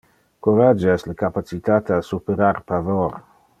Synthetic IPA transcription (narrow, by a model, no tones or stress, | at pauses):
kuɾad͡ʒeɛsləkapat͡sit̪at̪asupeɾarpavor